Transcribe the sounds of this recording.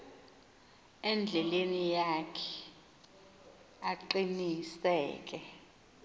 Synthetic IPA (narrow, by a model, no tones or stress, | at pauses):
ɛnd͡ɮʱɛlenijakʰɛ̥ | aǃinisɛ̰ːk̬ʼɛ